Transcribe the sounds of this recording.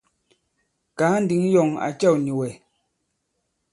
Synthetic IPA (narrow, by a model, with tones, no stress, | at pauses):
kaː˨˦n̩˦di˨˦ŋ˦jɔ˨ŋa̰˨t͡ʃɛ˦˨wni˨wɛ˨